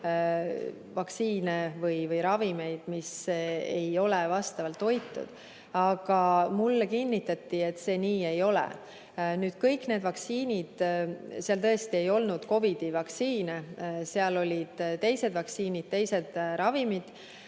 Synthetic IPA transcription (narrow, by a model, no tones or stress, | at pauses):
vɑksiːnevɯjvɯjɾɑvime̞jd̪̥mise̞jo̞levɑst̪ɑvɑlt̪ːo̞jt̪ːˑṵd̪̥ | ɑɡ̥ɑmulːekinʲːit̪ːˑɑt̪ːiet̪ːse̞ːniːe̞jo̞lḛ | nyːd̪̥kɤjkne̞ːd̪̥vɑksiːnʲid̪̥seɑlt̪ɤest̪ie̞jo̞lnud̪̥ko̞vid̪̥ivɑksiːneseɑlo̞lʲid̪̥t̪e̞jse̞d̪̥vɑksiːnid̥̪̚t̪e̞jse̞d̪̥ɾɑvimid̪̥